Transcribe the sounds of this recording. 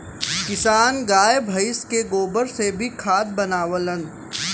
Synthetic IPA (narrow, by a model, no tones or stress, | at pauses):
kɪsaːnɡaːebʱɐɪskeɡoːbəɾsebʱikʰaːt̪̚bɐnaːʋələ̃nd̪